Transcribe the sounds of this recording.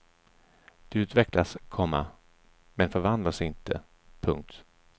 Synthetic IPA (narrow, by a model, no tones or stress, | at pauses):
d̪̥ɛʉ̟ːt̪vɛklaskʰɔmːa̰ | mɛnfœɾvand̪lasɪnt̪ə̰ | pʰɵŋk̚t̪